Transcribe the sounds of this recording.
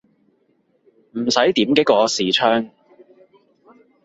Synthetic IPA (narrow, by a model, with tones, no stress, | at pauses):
m̩˨˩sɐ˨˥jt̪iː˨˥mkɛ˥kɔː˧siː˨t͡ʃʰœː˥ŋ